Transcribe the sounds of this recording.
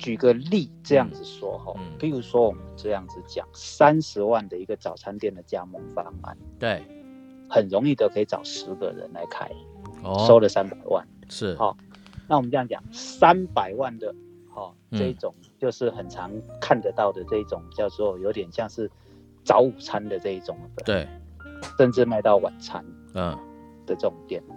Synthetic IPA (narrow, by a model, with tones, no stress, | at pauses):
t͡ɕy˨˩ɡə˦li˥˨ʈ͡ʂɤ˥˧jɑ˥˩ŋd͡z̩˨˩ʂwɔ̰˥xɔ̰˥˨˩pi˧˥ɻu˧˥swɔ˥wɔ˨˩mə˦nʈ͡ʂɤ˥˧jɑ˥˩ŋd͡z̩˨˩t͡ɕjɑ̰˨˩˦ŋsa˦nʂɻ̩˧˥wa˥˩nd̪ə˩i˧˥ɡə˨t͡sɑ˨˩ʊt͡sʰa˥nt̪jɛ˥˩nd̪ə˩t͡ɕja˦˥mɔ˧˥ŋfɑ˥ŋa̰˨˩n˩ | hə˨˩nɻʊ˧˦ŋi˥˩d̪ə˩kʰɤ˧˥i˨˩t͡sɑ̰˨˩ʊʂɻ̩˧˦ɡə̰˨ɻə̰˧˦nla˧˦ɪkʰa̰˥ɪso˥ʊlə˨sa˦˥npa˨˩ɪwa̰˥˩nʂ̩˥˩hɔ̰˨˩ | na˥˩wɔ˨˩mə˦t͡sɤ˧jŋt͡ɕjɑ̰˨˩ŋsa˦npa˨˩ɪwa˥˩nd̪ə˩ | hɔ˥˧ | ʈ͡ʂɤ˥˧i˥˩t͡sʊ˨˩ŋt͡ɕjo˥˧ʊʂɻ̩˥˩xə˨˩nt͡sʰɑ˧˦ŋkʰa˥˨nd̪ə˨˧t̪ɑ˥˩ʊd̪ə˩t͡sɤ˥˧i˥˩ʈ͡ʂʊ˨˩ŋpi˨˩t͡ɕjɑ˥˧ʊʂwɔ˥jo˧˥ʊt̪jɛ˨˩nɕjɑ˥˧ŋʂɻ̩˥˩ | t͡sɑ˧˦ʊu˨˩t͡sʰa˦˥nd̪ə˨t͡sɤ˥˧i˥˩ʈ͡ʂʊ˨˩ŋə˦˥˩ʂə˥˧nʈ͡ʂɻ̩˥˧ma˥˧ɪt̪ɑ˥˩ʊwa̰˨˩nt͡sʰa˦n˩ | d̪̥ə˨ʈ͡ʂɤ˥˩ʊ˨˩ŋt̪jɛ˥˩n˨